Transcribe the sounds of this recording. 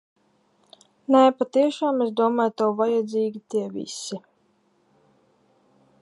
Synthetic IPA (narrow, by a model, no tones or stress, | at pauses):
nɛpat̪iɛʃaːmezd̪uɔmaːjt̪awvajad̪zʲiːɡʲit̪iɛvʲḭsi